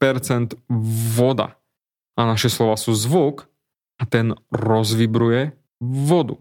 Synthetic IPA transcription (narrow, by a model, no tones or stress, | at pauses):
pɛɾt͡sɛnd̪ʋɔd̪a̰ | ʔanaʃɛslɔʋaːsuːzʋuk | at̪ɛnɾɔzʋibɾujɛ | ʋɔd̪ṵ